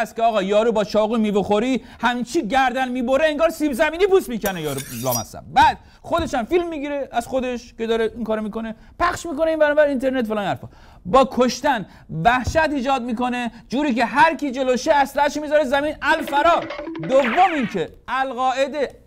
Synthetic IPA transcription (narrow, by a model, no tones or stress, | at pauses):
st̪kʲeɒːɣɒːjɒːɾuːbɒːt͡ʃʰɒːɣumiːboxoɾi | hæmit͡ʃʰiɟæɾd̪ænmiːboɾeeŋɡɒːɾsiːbzæmiːniːpusmiːkænejɒːɾulɒ̰ːmæ̰sæ̰b̚bæd̪̥̚ | xo̞d̪e̞ʃæmfilmːiːɡiɾeæz̥xod̪eʃke̞d̪ɒːɾeʔiŋkɒːɾomiːko̞ne̞ | pʰæχʃmiːko̞neinbænɔːbæɾint̪ʰe̞ɾnet̪folɒːnæɾfɒ̰ː | bɒːkʰoʃt̪æn | væhʃæt̪iːd͡ʒɒːd̪miko̞ne̞d͡ʒuːɾiːke̞ɦæɾkʰiːd͡ʒe̞loʃeæslææʃmiːzɒːɾezæmiːnælfæɾɒːd̪ovːo̞mincʰe | ælɣɒːʔed̪e